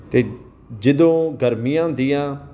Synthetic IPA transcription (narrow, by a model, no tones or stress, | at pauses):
t̪eː | d͡ʒɪd̪õːɡəɾmɪjãːd̪ɪjãː